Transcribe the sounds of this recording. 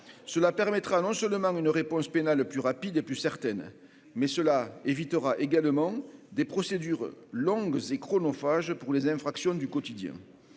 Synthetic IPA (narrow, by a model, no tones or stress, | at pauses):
səlapɛʁmɛt̪χanɔ̃sœlmɑ̃ynəʁepɔ̃spenalplyʁapid̪eplysɛʁt̪ɛn | mɛsəlaevit̪əʁaʔeɡalmɑ̃d̪epχɔsed̪yʁlɔ̃ŋɡzekχɔnɔfaʒpuʁlezɛ̃fχaksjɔ̃d̪ykɔt̪id̪jɛ̰̃